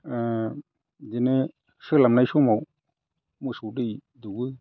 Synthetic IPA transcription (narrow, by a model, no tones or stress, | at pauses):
denɯ | sɯlamnajsumaw | mɯsudɯj | duɡɯ